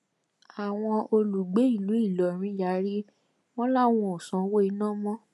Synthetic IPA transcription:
a˨w̃ɔ̃˧o˧lu˨ɡ͡be˨˦i˦˨lu˨˦i˦˨lɔ˨ɾ̃ĩ˨˦ja˨˦ɾi˦ | w̃ɔ̃˦la˦w̃ɔ̃˧o˨sã˨˦wo˦i˧˦nãː˦mɔ̃˦

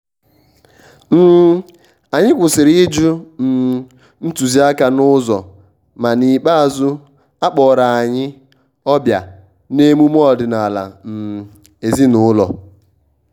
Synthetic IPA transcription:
m̩˦ | a˨ɲɪ˦kʷʊ˨sɪ˨ɾɪ˦d͡ʒu˦m̩˨ | n̩˦tu˨zi˦a˦ka˨nʊ˦zɔ˨ | ma˨ni˨k͡pa˦a˨zʊ˦ | a˦k͡pɔ˨ɾa˨a˨ɲɪ˦ | ɔ˦bja˨ | ne˦mu˦m˦ɔ˦dɪ˨na˨la̰˨m̩˨ | e˨zi˦nʊ˨˦lɔ̰˨

